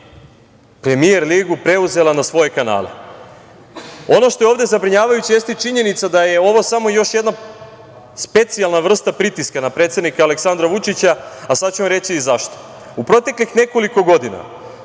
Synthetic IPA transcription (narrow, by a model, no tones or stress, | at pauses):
pɾe̞mie̞ɾliːɡupɾe̞uze̞lanasʋo̞je̞kana̰ːlḛ | o̞no̞ʃt̪o̞eo̞ːʋd̪e̞zabɾiɲaːʋajut͡ɕije̞st̪et͡ʃiɲe̞nit̪sad̪aje̞o̞ʋo̞samo̞jo̞ʃje̞d̪na | spe̞t̪sialˠnaʋr̩st̪apɾit̪iskanapɾet̪se̞d̪nikaːle̞ksand̪ɾaʋut͡ʃit͡ɕaasad̪t͡ɕuamɾe̞t͡ɕizaʃt̪o̥ | upɾo̞t̪e̞klixne̞ko̞liko̞ɡo̞d̪ina̰